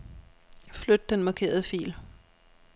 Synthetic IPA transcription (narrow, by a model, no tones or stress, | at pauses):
flød̥d̥enmɑ̈kʰe̝̰ːɐð̞ˠəfḭːl